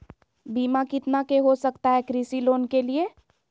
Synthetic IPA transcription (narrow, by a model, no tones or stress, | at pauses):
biːmakɪt̪nakeɦosəkt̪aɦɛkɾisiloːnkelie